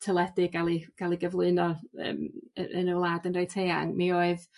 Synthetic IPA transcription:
tʰəlˠɛdɪɡalˠiɡ̥alˠiɡəvlˠɨɨnɔə̰ːmə̰ə̰nəwlˠaːdənrejtʰeːa̰ŋmioːɨð

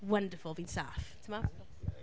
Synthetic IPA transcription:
wʌ̃ndəfəlˠvĩnsaftʰəmasɔ

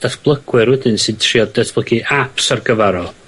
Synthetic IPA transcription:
d̥asb̥lˠəɡ̥wɨrwɛdɨnsɨd̚tʰriɔd̥əθblˠəɡiʔapsarɡəvaɾɔ

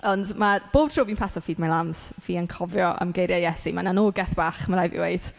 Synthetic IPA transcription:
ɔndmab̥oːb̥̚tʰr̥oːviːnpʰasɔfiːdmalˠamsviːənkʰɔvjɔʔə̰mɡejɾjajɛsimananoːɡɛθb̥aːχmaɾajvḭwejd̥

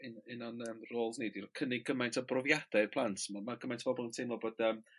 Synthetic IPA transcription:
ɪnɪnanəmroːlˠnidirkʰənɪɡəmajntʰɔbrɔvjad̥ɛrpʰlˠantʰmamaɡəmajntʰəv̥ɔbɔlˠəntʰejmlˠɔbod̥əm

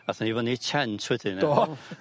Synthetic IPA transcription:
aθanivɔnit͡ʃʰɛntʰwɛdɪn

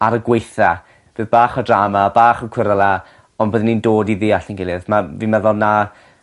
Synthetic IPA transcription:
aɾəɡwejθa | b̥eːðbaːχɔdraːmabaːχɔkʰwɪɾəlˠa | ɔnboːðɪnːiːndoːdiðiːaɬənɡɪlˠɪðmavimɛðɔlˠna

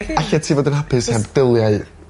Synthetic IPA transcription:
aɬatʰiːvoːdənhapʰɪshɛbdɪlˠjaɨð

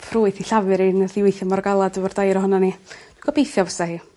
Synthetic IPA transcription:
pʰruːɨθiɬavɨɾinəðiwejθəmɔrɡalˠadəvɔrdajɾɔhɔnani | ɡ̥ɔbejθjɔvəsahiː

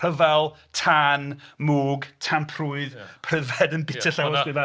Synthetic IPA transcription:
əvalˠtʰanmuːɡtʰanpʰruɨðpʰr̥əvɛdənbɪtʰəɬawɔsɡɪða

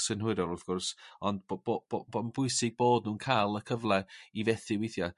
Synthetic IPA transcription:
sɪnhʊɨdɔlˠɔθɡ̥ʊrsɔnd̚bbobo̥ɔnbʊjsɪɡ̚boːdnuːnkʰajlˠəkʰəvlˠɛivɛθɪwejθja

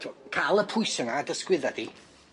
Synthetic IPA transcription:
kʰalˠəpʰʊjsənadəskwɪðadi

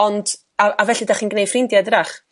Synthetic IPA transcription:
ɔnd̥ | aʔavɛɬɨdaχiːnɡnejfrɪndjadraχ

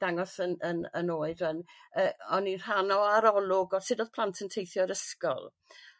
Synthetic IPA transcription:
d̥aŋɔsənənənoːɨdənəːɔnir̥anɔaɾɔlˠʊɡɔsɪdoːð̥pʰlˠantʰəntʰejθjɔɾəskɔ̰lˠ

